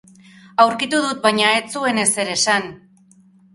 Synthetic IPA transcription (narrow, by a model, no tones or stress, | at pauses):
awɾkit̪uðut̪̚bajɲae̞t͡sue̞ne̞se̞ɾe̞san